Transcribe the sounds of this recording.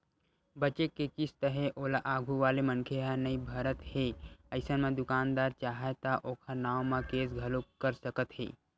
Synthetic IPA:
bət͡ʃekːekist̪əɦeʔoːlaʔaːɡʱuʋaːlemənkʰeɦanəĩbʱəɾət̪heəɪsənmẽd̪ʊkaːnd̪aːɾt͡ʃaːɦet̪aʔoːkʰənaːwmãkeːs̬ɡʱɐlokəɾsəkət̪ɦḛː

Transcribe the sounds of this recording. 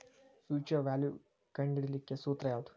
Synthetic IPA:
fjuːt͡ʃɐʋaːlju | kɐɳɖiɽilikːesuːt̪ɾɐjaːt̪u̥

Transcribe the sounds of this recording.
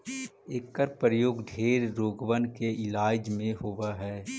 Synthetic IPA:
eːkːəɾpɾəjoːɡd̪ʱeːɾːoːɡʋənkeɪlaːd͡ʒmẽɦowaɦɛː

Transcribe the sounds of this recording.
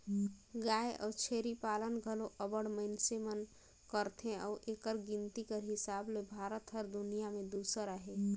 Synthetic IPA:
ɡaːeʔɔ̰ːt͡ʃʰeːɾipaːlənɡʱəloʔəbəɽməɪnsemən | kəɾt̪ʰẽɔːʔeːkəɾɡɪnt̪ikəɾɦɪsaːblebʱaːɾət̪ɦəɾd̪ʊnijamẽd̪uːsəɾəɦe

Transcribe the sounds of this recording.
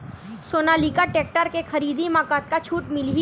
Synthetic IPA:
soːnaliːkaʈeːk̚ʈəɾkexɐɾiːd̪imaːkaːt̪̚kat͡ʃʰuːʈmɪlɦi

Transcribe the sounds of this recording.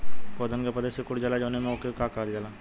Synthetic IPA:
poːd̪ʱənkepɐd̪eːsekʊɽd͡ʒaːlad͡ʒoːnemẽokekakaːld͡ʒaːla

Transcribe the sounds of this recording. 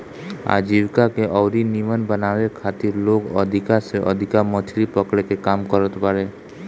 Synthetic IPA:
a̰d͡ʒiwkakeʔɔwɾinimənbənaʋekʰat̪iɾloɡəd̪ʱikaseʔəd̪ʱikamət̪ʰɾipəkɽekekamkɔɾət̪paɾe

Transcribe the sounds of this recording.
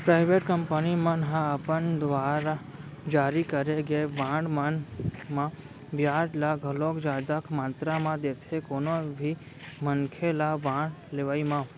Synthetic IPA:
pɾaːɪʋeːʈkəmpənimãnɦãəpənd̪ʋaːɾad͡ʒaːɾikəɾeɡebãːɳɖmanmã | bjaːd͡ʒlaɡʱɐloːkd͡ʒaːd̪akʰmãːnt̪ɾamãd̪eːt̪ʰekoːnobʱi | mənkʰelabãːɳɖleʋaːimã

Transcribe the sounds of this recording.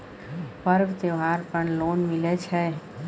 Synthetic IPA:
pəɾʋt̪eʋɦaːɾpəɳloːnmɪlet͡ʃʰɛ

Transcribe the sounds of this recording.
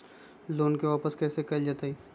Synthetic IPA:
loːnkeʋaːpəskɛːsekɐld͡ʒaːt̪aiː

